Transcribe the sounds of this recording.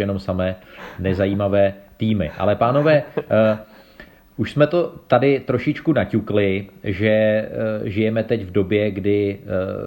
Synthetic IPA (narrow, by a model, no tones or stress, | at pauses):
jɛno̞msamɛːnɛzajiːmavɛːt̪iːmɪʔa̰lɛpaːno̞vɛː | ʔuʃsmɛt̪o̞t̪adɪt̪ɾo̞ʃɪt͡ʃkunacuklɪʒɛ | ʒɪjɛmɛt̪ɛcvdo̞bjɛɡdɪ